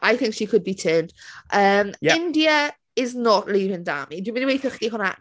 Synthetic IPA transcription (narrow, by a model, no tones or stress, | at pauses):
ʔajθɪ̃ŋkʃikʰʊd̚bitʰɜːnd̥ʔəːmɪ̃ndiə | ɪznəʔliːvɪ̃ŋda̰ːmidwɪməniwejθəχidiɦʊna̰